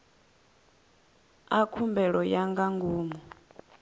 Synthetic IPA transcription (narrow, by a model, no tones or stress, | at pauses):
akʰumbɛɺɔjaŋɡaŋɡuːmɔ